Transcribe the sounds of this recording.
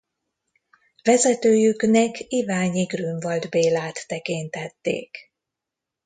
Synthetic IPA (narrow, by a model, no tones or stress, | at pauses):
vɛzɛt̪øːjyknɛkʰivaːɲiɡryɱvɒld̪beːlaːt̪ːɛkint̪ɛt̪ːḛːk